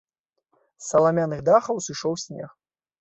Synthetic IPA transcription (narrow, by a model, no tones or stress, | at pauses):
sːɐlˠamʲanɨɣd̪axɐwsɨʂɔwsʲnʲɛ̰x